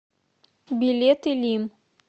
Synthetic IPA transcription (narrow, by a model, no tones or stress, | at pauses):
bʲilʲet̪ɨlʲim